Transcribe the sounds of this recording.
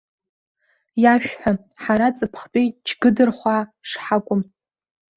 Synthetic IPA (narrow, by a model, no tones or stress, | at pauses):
jaʃᶣħʷa | ħaɾat͡sʼɨpʰχpʼejt͡ʃʰɡɨdɨrχʷaʂħakʷʼʊm